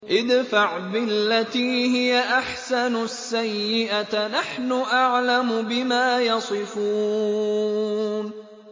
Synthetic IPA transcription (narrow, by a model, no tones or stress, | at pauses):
ʔɪd̪faʕbɪlːat̪iːhɪjaʔaħsanʊsːajːɪʔanaħnʊʔaʕlamʊbɪmaːjɑsˤɨfuː | n